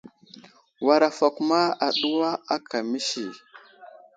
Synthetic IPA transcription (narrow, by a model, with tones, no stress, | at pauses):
wa˨ɾa˨fa˨ku˦ma˦a˨ɗu˦wa˦a˦kʰa˨mi˦ʃi˨